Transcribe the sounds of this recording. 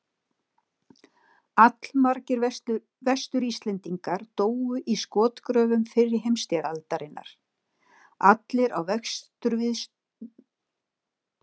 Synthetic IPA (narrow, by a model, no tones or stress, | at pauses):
at̪lmaɾcɪɾ | vɛst̪ʏɾist̪lɛnt̪iŋkaɾ̥t̪oːwʏʔiskɔːt̪kɾœːvʏmfɪrːɪɾɦejmst̪ɛɾalt̪aɾɪnːʔa̰ɾ̥ | at̪lɪɾa̰wvɛkst̪ʏɾvɪðs